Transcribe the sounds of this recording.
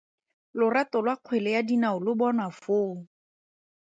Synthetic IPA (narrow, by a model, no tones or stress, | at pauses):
lʊratɔlwaq͡χʰwelɛjadinaʊlʊbɔnafoːŋ